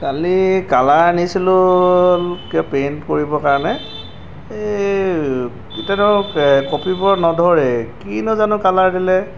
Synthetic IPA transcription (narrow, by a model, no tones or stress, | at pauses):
kalikalaɹnisilʊlkapenkoɹibɔkaɹɔnɛ | itɛnɔkopʰibɔɹnɔdʱɔɹɛkinɔzanʊkalaɹdilɛ